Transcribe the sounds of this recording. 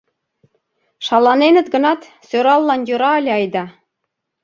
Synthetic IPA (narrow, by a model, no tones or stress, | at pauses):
ʃɑlˠɑnenɘ̆t̪ɡɤ̆nɑt̪ | søɾɑlˠːɑnjuɾɑɑlʲɑjd̪ɑ